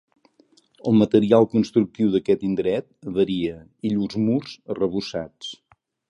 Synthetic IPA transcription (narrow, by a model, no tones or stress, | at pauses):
əlˠmət̪əɾialˠkunst̪ɾuk̚t̪iwðəkɛt̪ind̪ɾɛt̪̚βəɾiə | iʎuzmurzərəβ̞usat͡s